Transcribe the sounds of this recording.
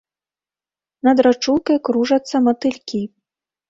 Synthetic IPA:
nɐd̪ɾat͡ʂulˠkɐjkɾuʐɐt̪sːɐmɐt̪ɨlʲkʲi

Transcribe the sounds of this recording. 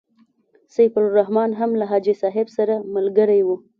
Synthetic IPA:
sajfalɾahmɑnɦamlaɦɑd͡ʒisɑɦɪbsaɾamalɡəɾajwu

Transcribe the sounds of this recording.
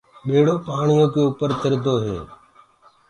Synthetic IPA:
ɓeːɽoːpaːɳɪjõːkeːuːpəɾt̪əɾd̪oːɦḛː

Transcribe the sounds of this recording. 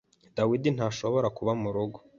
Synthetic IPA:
d̥awidin̥haːʃo̞βo̞ɾakuβamuɾuɡo

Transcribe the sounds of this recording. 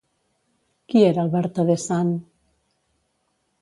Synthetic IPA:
kieɾalˠβɛɾt̪oðesan

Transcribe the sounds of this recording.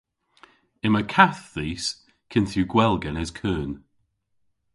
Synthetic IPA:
ɪməkʰaθðiːs | kʰɪnθjuɡwɛlˠɡɛnɛzkʰəːn

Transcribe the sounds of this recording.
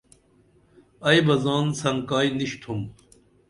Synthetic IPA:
ɐjbɐzaːnsɐŋkaːjniɕt̪ʰum

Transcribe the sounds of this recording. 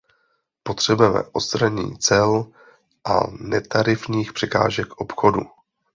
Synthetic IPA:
pot̪r̝̥ɛbujɛmɛ̰ʔost̪ɾaɲḭːt͡sɛl | ʔa̰nɛt̪aɾɪfɲiːxpr̥ɛka̰ːʒɛkʔo̞pxodu

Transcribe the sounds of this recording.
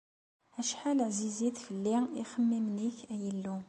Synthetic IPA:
æʃħaləʕziziθçəlːiiχəmːimniçæjəlːu

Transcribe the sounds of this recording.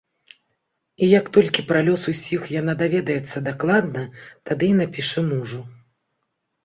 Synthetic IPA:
ijɐkt̪ɔlʲkʲipɾalʲɔsusʲixjan̪ad̪avʲɛd̪ɐjɛt̪sːɐd̪aklˠad̪nɐt̪ad̪ɨinapʲiʂɛmuʐu

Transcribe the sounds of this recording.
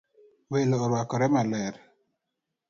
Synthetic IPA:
welɔːɾwakɔɾɛmalɛɾ

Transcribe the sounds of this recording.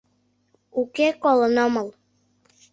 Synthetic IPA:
ukekolənoməl

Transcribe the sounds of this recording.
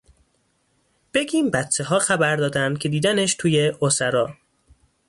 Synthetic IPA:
b̥e̞ɟʲiːmbæt̪t͡ʃʰːe̞ɦɒːxæbæɾd̪ɒːd̪ænd̪̚cʰe̞d̪iːd̪æneʃt̪ʰuːjeʔosæɾɒː

